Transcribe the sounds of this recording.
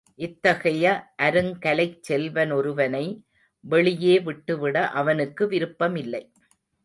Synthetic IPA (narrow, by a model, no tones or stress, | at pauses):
ʔɪt̪ːɐɣɐjɐʔɐɾɯŋkɐlɐɪt͡ʃsɛlʋɐnɔɾɯʋɐnɐɪ | ʋɛɭɪjeːʋɪʈːɯʋɪɽɐʔɐʋɐnɯkːɯʋɪɾɯpːɐmɪlːɐɪ